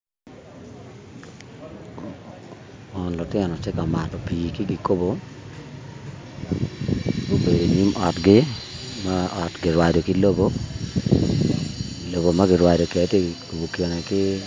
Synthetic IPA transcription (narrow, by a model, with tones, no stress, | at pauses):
ɔ˨nlɔ˨tɪ˦ɔ˨nɔ˨t͡ʃɪ˦ka˨ma˨tɔ˨pi˨kɪ˦ɡɪ˨ko˦bo˨ | ɡo˦be˨do˨ni˦mʔɔ˨tɡɪ˦ | ma˦ɔ˨tɡɪ˨ɾwa˨do˨kɪ˦lo˦bo˦ | lo˨bo˨ma˦ɡɪ˨ɾwa˨do˨kɛ˨˦te˦ko˨bo˨ko˨nɛ˨kɪ˦